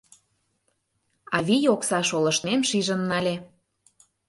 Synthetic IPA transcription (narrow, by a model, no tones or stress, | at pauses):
ɑβijoksɑʃolə̆ʃnemʃiʒə̆nːɑlʲe